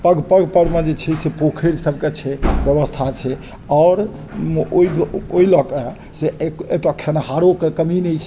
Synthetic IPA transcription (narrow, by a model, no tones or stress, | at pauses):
pəɡpəɡpəɾmẽd͡ʒet͡ʃʰɛsepokʰeɾsəbʱket͡ʃʰɛbjəbəst̪ʰat͡ʃʰɛ | ɔːɾ | oid̪oilɔke | seet̪ɔkʰenaɦaɾokekəminɛt͡ʃʰɛ